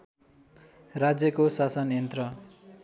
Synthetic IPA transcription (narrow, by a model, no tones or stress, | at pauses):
rad͡zjʌkosasʌnent̪rʌ